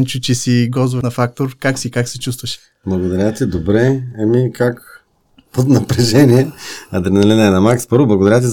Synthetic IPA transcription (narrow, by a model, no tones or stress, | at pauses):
nt͡ʃut͡ʃisiɡɔzvnɐfak̚t̪oɾkaksikaksɛt͡ʃust̪vəʃ | blˠɐɡod̪ɐɾʲjat̪id̪obɾɛɛmikak | pot̪nɐpɾɛʒɛniɛɐd̪ɾɛnɐlɛnɛnɐmakspɤɾvoblˠɐɡod̪ɐɾʲjat̪̬i